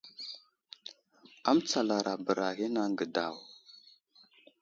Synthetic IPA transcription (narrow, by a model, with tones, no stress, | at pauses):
a˦mt͡sa˨la˨ɾa˨bə˨ɾa˨ɣi˦na˦ŋɡə˨da̰˨w